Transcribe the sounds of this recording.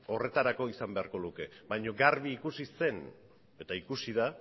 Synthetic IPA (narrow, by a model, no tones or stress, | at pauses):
o̞re̞t̪aɾako̞isambe̞aɾko̞luke̞βajɲo̞ɡarβiːkusise̞n | e̞t̪aikusiða